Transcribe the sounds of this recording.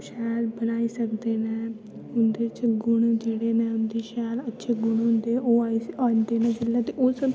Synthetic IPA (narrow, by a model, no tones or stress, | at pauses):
ʃɛːlbənaːiːsəkd̪eːnɛː | ʊnd̪eːt͡ʃɡʊɳd͡ʒeːɽeːnɛ̃ːʊnd̪iːʃɛːlətːʃʰeːɡʊɳɦʊ̃nd̪eːʔoːaːiaːnd̪eːnɛ̃ːd͡ʒɪlːɛːt̪eʔʊs